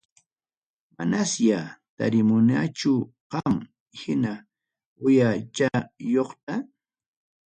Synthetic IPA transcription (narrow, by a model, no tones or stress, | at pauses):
manasjat̪a̰ɾɪmʊnat͡ʃʊqɑm | hɪna | ʊjat͡ʃajoχt̪a